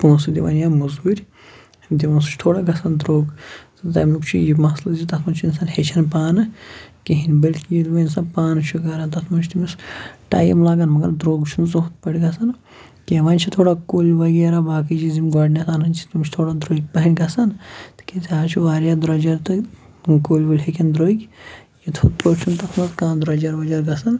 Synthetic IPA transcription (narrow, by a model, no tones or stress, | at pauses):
puːnsɨd̪iʋɐ̰njamɐzuɾʲ | d̪iʋɐnsut͡ʃʰt̪ʰoːɽaɡɐsɐnd̪ɾoːɡt̪ɨt̪ɐmʲlukt͡ʃʰujimɐslɐzit̪ɐt̪mɐnʲt͡ʃʰuinsanhet͡ʃʰɐnpaːnɨkiɦinʲbɐlʲt̪kijid̪ʋɐinsɐnpaːnt͡ʃʰuɡɐɾant̪ɐt̪ʰmɐnt͡ʃʰt̪umisʈa̰ːjḭmlaːɡanmɐɡɐ̰ɾd̪ɾoːɡt͡ʃʰunzot̪pɐɽʲɡɐsɐn | kʲeʋaːnʲt͡ʃʰit̪ʰoːɽakoːlʲʋɐɡʲeːɾabaːkid͡ʒizimɡɐɖnʲasaːnɐnʲt͡ʃʰi̥t̪umʲt͡ʃʰt̪ʰoːɽaːd̪ɾoːɡ̚ʲpɐɦɐnʲɡɐsɐnt̪ɨ̥kesiaːt͡ʃʰuʋaːɾjaːd̪uɾɐd͡ʒɐɾt̪ɨ | koːlʲʋulʲɦekʲɐnd̪ɾoːɡʲ | jit̪ʰut̪̚poɾt͡ʃʰunt̪ɐt̪ʰmɐzkãːnd̪ɾɐːd͡ʒɐɾʋɐd͡ʒɐɾɡɐsɐn